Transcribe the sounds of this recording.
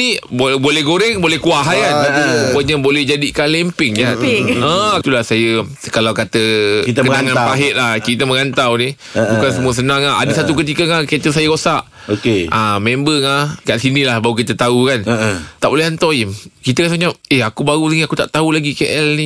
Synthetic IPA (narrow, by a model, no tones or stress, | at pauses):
nibbolɛhɡoɾɛŋbolɛhkuaɦajkanbaulubəɲabolɛhd͡ʒadikanlɛmpɪŋd͡ʒaʔət̪ulahsajə | kalawkat̪əkənaŋãnpaɦɪʔ̪̚lahkit̪əməŋant̪awnĩ | bukansəmuəs̬ənãŋaa̰dəsat̪ukət̪̬ikəŋaket̪əsajəkosaʔ | okeʔamẽmbəŋakaʔsinĩlahbauk̬it̪ət̪aukant̪aʔbolɛɦant̪oimkit̪əkasaɲap̚ehakubaɣusəŋiakut̪a̰ʔt̪aulaɡikeʔɛlni